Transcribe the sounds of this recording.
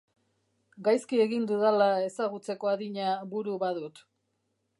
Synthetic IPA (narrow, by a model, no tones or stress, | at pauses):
ɡajskie̞ɣind̪uðalae̞saɣut͡se̞ko̞aðiɲaβuɾuβaðut̪